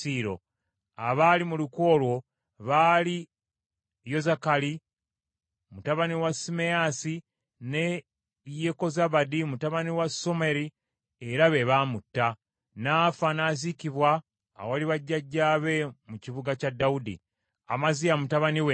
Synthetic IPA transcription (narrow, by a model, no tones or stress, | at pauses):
iːɾo̞̰ | aβalimuluko̞ːlwo̞ | βaːli | jo̞zakali | mutaβaniwasime̞jasi | ne | jeko̞zaβadimutaβaniwaso̞meɾi | eɾaβe̞βamutːa | naːfanaːzikiβwaː | waliβaɟːaɟːaːβe̞muciβuɡacadːaudḭ | a̰mazijamutaβaniwe